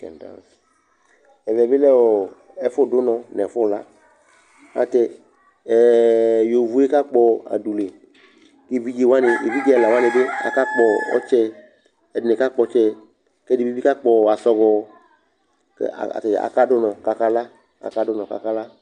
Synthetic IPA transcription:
kɛ̰˨n˨da̰˦˨ | ɛ˨vɛ˨bɪ˦lɛ˦wɔ˨ | ɛ˦fʊ˦˨dʊ˦nɔ˧nɛ˨fʊ˦˨la˦ | a̰˨tɛ˧˨ | jo˨vu˨˦e˦ka˦k͡pɔ˨a̰˨du˨le˨ | ke˦˨vi˦d͡ʒe˨wã˦nɪ˨e˨vi˦d͡ʒi˦ɛ˨la˨wa˦nɪ˨bɪ˦a̰˨ka˦k͡pɔ˨ɔ̰˦t͡ʃɛ˦ | ɛ˨dɪ˨nɪ˨ka˦k͡pɔ˨˦t͡ʃɛ˦ | kɛ˦di˨bi˦bi˦ka˦k͡pɔ˨a˨sɔ˧ɡɔ˨ | ka̰˨tɛ̰˨a̰˨ka˦dʊ˦nɔ̃˨ka˨ka˦la˦ | a̰˨ka˦dʊ˦nɔ̃˨ka̰˨ka˦la˦

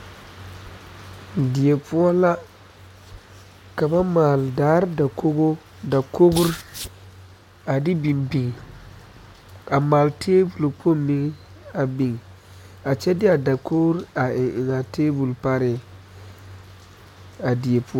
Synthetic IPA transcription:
di˨e˨pʊ˦ɔ˦la˦ | ka˨ba˦maː˨ldaː˨˦ɾda˨ko˦ɡo˦ | da˨ko˦ɡʊ˦ɾ | a˨dɪ˦bi˨mbi˨ŋ | a˨maː˨ltʰeː˦bu˨lk͡pʰo˦˨mi˦ŋ˦ | a˨bi˨ŋ˨ | a˨t͡ʃɛ˦dɪ˦a˨da˨kʰo˦ɡɾa˨ɪ˨ʔɪ˨na˨teː˦bu˨lpa˦ɾɪ˨ | a˨di˨e˨pʰu˦ɔ˦

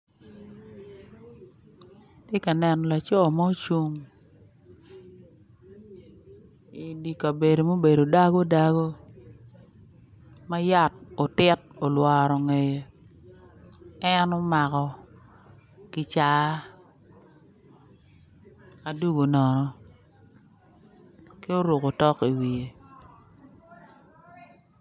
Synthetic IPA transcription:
tɪ˦ka˨nɛ˨n˨la˨t͡ʃɔ˦˨mɔ˦o˦t͡ʃu˦ŋ | i˨di˨ka˨be˨do˨mo˦be˨do˨da˦ɡo˦da˦ɡo˦ | ma˦ja˦˨t̚o˨tɪ˦t̚o˨lwa˨ɾo˨ŋe˨je˨ | ɛ˦no˦ma˨kɔ˨ | kɪ˨t͡ʃa˨˦ | a˨du˦ɡo˨nɔ˨nɔ˨ | ke˦o˦ɾu˨ko˨tɔ˦ki˨wi˨e˨

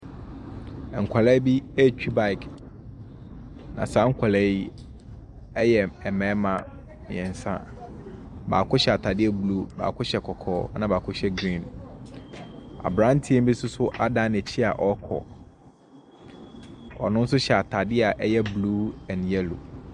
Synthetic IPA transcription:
ŋ̩˨kʷʰa˨lɛ˦bi˦e˦t͡ɕᶣi˦ba˦ɪ˨k | nã̰˨sã˦ŋ̩˦kʷʰa˨lɛ˦i˦ | ɛ˦jɛ˨ɛ˨mɛ̃ː˨˦mã˨ | mɪ̰̃˨ɛ̃˨n˨sã̰˦ | ba̰ː˨kʰʊ˦ɕɛ˨a˨tʰa˨dɪ˦ɛ˨bluː˦ba̰ː˨kʰʊ˦ɕɛ˨kʰɔ˨kʰɔː˦nã˨baː˨kʰʊ˦ɕɛ˦ɡɾĩ˦˨n | a̰˨bɾã˦n̩˦tʰi˦ɛ˦m̩˦bi˦sʊ˦sʊ˦ʔa˦dã˦nɛ̃˨t͡ɕʰi˦a˨ʔɔ˦kʰɔ̰˨ | ɔ̰˨nʊ̃˦n̩˦sʊ˦ɕɛ˨a˨tʰa˨dɪ˦a˨ʔɛ˦jɛ˦bluː˦ɛ̃˨njɛ˦lo̰˨

